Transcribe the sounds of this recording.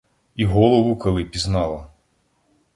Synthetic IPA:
iɦɔlˠɔʋʊkɔlˠɪpʲiznɑlˠɐ

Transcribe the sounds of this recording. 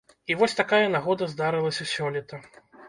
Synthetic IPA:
ivɔsʲt̪akajɐnaɣɔd̪ɐzd̪aɾɨlˠɐsʲɐsʲɔlʲɛt̪ɐ

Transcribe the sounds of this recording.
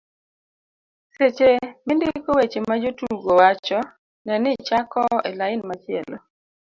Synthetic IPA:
set͡ʃemendɪkowet͡ʃemad͡ʒotuɡowat͡ʃɔ | nɛnɪt͡ʃakɔelaɪnmat͡ʃɪɛ̰lɔ̰

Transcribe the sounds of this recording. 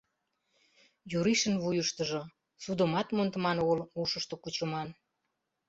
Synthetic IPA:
juɾiʃənβujəʃt̪əʒŏ | sud̪ə̆mɑt̪mont̪əmɑnoɣəluʃəʃt̪okut͡ɕəmɑn

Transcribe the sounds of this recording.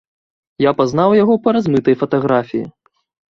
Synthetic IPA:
japazn̪awjaɣɔpɐɾazmɨt̪ɐjfɐt̪aɣɾafʲijḭ

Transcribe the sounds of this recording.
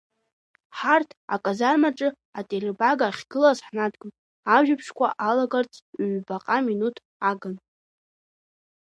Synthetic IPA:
ħartʰa̰kʼazarmaʈ͡ʂʼɨ | atʼerbaɡaχʲɡ̥ɨlazħnadɡʷʼʊnʼ | aʒᶣapʰʂkʷʰaʔalaɡart͡sʼʰɥʷbaqʼaminutʰ | aɡan

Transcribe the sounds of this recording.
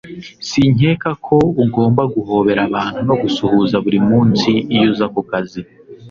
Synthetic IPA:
siɲeːkakʰo̞uɡo̞ːmbaɡuɦo̞ːβe̞ɾaβaːn̥huno̞ɡusuhuzaβuɾimuːnsiːjuzakukazi

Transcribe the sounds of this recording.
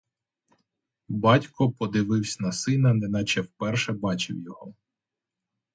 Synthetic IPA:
bɑtʲkɔpɔd̪ɪʋɪwsʲɐnɐsɪnɐnɛnɑt͡ʃɛwpɛrʃɛbɑt͡ʃɪ̰wjɔɦɔ

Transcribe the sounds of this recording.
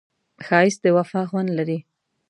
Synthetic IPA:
xɑɪsd̪əwafɑxwand̪laɾi

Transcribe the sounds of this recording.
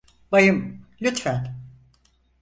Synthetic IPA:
bajɯmlʲyt̪fæn

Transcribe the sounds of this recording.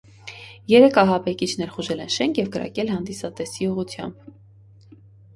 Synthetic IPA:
jɛɾɛkʰɑɦɑbɛkit͡ʃʰnɛɾχuʒɛlɛnʃɛŋkʰjɛvkəɾɑ̰kɛlhɑnd̪isɑt̪ɛsiuʁut͡s̪ʰjɑ̰mb

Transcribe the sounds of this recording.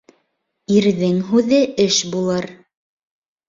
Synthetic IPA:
iɾðɘŋɦʉðɘɘʃbulˠɤɾ

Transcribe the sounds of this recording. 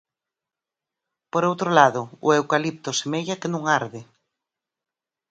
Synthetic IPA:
poɾowt̪ɾolaðʊʊ̰ewkalip̚t̪osemeʎakenũŋaɾðɪ

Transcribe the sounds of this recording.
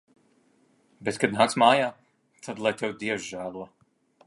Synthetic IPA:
bet̪kad̪naːksmaːjaː | t̪ʰad̪lˠajt̪ɛwd̪iɛwʒʒæːlˠuɔ

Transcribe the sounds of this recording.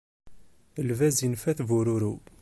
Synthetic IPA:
əlvæzinfæθvuɾuɾu

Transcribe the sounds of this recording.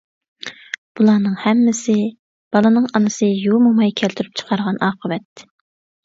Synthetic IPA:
b̥ulˠɑːnɨŋhɛmːɪsɪ | b̥ɑlˠɨnɨŋɑnɨsɨjumumɑjkʲʰælt̪ʰyɾyp̚t͡ʃʰə̥qʰɑɾʁɑnɑːqʰəvɛt̪̚

